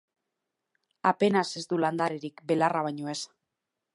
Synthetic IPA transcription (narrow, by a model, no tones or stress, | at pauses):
ape̞nase̞zd̪uland̪aɾeɾikbe̞laraβaɲoe̞s